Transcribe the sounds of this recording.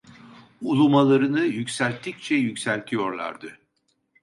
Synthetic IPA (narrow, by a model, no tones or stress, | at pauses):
ulˠumalˠaɾɯnɯjycʲsælʲt̪ʰːic̚t͡ʃʰɛjycsælʲt̪ʰijo̞ɾlˠa̰ɾd̪ɯ